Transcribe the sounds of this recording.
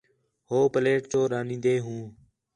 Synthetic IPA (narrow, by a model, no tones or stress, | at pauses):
hoːpəleːʈt͡ʃoːɾaːnĩːnd̪eːɦũː